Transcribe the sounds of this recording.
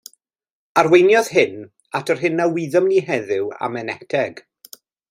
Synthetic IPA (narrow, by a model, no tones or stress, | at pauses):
arwejnjɔð̥hɪn | atʰɔrɦɪnːawiðɔmniɦɛðɪwa̰mɛnɛtʰɛɡ̥